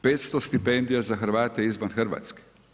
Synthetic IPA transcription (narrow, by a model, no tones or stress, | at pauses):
peːt̪st̪ɔst̪ipɛnd̪ijazaxəɾʋaːt̪ɛizmanxəɾʋa̰t̪skɛ̥